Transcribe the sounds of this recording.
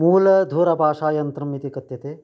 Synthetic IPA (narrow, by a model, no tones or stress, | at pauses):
muːlɐd̪ʱuːɾɐbʱaːʂaːjɐnt̪ɾɐmit̪ikɐt̪jɐt̪eː